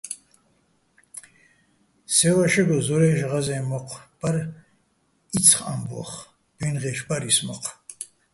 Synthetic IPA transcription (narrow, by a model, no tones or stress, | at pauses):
sɛwaʃɛɡɔzɔɾɛːʒʁazɛːmɔqʰʼb̥aɾ | it͡sʰχa̰mbɔ̰χ | b̥inʁɛʃbaɾismɔqʰ